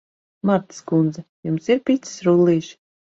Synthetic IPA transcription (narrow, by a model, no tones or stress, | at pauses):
maɾt̪skund̪zɛjumsiɾpʲit̪ssɾulˠːiːʃ